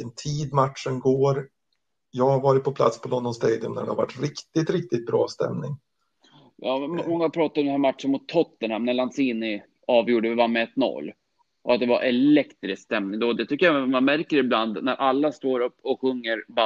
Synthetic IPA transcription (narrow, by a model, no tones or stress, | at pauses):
ənt̪ʰiːd̪maʈʂənɡoːɾ | jɑːaɾvɑːɾɪt̪̚pʰɔpʰla̰t̪spʰɔlɔnd̪ɔnst̪eːd̪ɪɵmnæ̰ɖɛhava̰ʈːɾɪkt̪ɪt̪ɾɪk̚t̪ɪt̪̚bɾɑ̰ːst̪ɛ̰mnɪŋ | jɑːmmɔŋːahaɾpʰɾɑːt̪at̪ɔmd̪ɛnhæɾmat̪ʂənmʊt̪ʰːɔt̪ːənhamnæɭansiːnɪ | ɑːvjuːɖəvɪvamɛɛt̪ːnɔ̰lː | ʔɔ̰at̪̚d̪ɛvaɾʔɛlɛkt̪ɾɪskst̪ɛmnɪŋd̪oːd̪ɛt̪ʰʏkːəjamanmæɾkəɾɪbland̪næɾʔalːast̪oːɾɵpːɔɧɵŋːəɾba